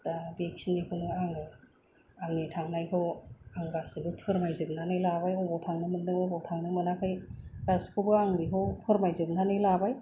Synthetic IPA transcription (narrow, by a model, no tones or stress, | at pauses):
tabeksinekʰɯnɯaŋɯ | aŋnitʰaŋnajɦɔwaŋɡasɯbɯpʰɯɾmajzɯb̚nanɯjlabajɔbɔtʰaŋnɯmɯndɯŋɔbɔwtʰaŋnɯmɯnakʰɯjɡaskʰɯbɯaŋbiɦɔwpʰɯɾmajzɯb̚nanɯjlabaj